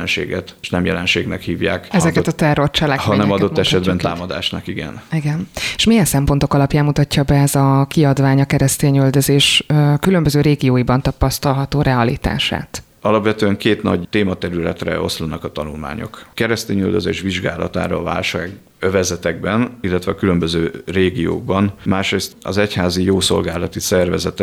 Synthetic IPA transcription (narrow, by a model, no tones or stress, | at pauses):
nʃḛːɡɛt̪ʃnɛmjɛlɛnʃeːɡnɛkhiːvjaːkɛzɛkkɛt̪ɒt̪ɛro̞rt͡ʃɛlːɛɦɒnɛmɒot̪ːɛʃɛd̪bɛnt̪a̰ːmɒd̪a̰ːʃnɒkiɡɛ̰niɡɛneʃmijɛnsɛmpont̪okɒlɒpjaːmmut̪ɒcːɒbɛɛzɒkiɒd̪vaːɲɒkɛɾɛst̪eːɲøld̪øzeːʃøkylømbøzøːɾeːɡijoːibɒnt̪ɒpɒst̪ɒlɦɒt̪oːɾɛɒlḭt̪a̰ːʃa̰ːt̪ | ɒlɒpʋɛt̪øːɛŋkeːt̪nɒ̰ɟt̪eːmɒt̪ɛɾylɛt̪rɛ̰o̞slonːɒkɒt̪ɒnulma̰ːɲo̞̰kkɛɾɛst̪eːɲyld̪øzeːʃʋiʒɡa̰ːlɒ̰t̪a̰ːɾɒ̰ːva̰ːlʃaːɡ | øvɛzɛt̪ɛɡ̚bɛnilːɛt̪vɛɒkylømbøzøːreːɡijo̰ːɡ̚bɒnmaːʃɾeːst̪ɒ̰zɛchaːzijoːso̞̰lɡaːlɒt̪isɛrvɛzɛt̪ɛ